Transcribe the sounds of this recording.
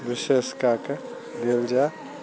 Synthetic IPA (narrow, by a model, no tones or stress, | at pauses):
ʋɪʃeːskake | d̪eld͡ʒa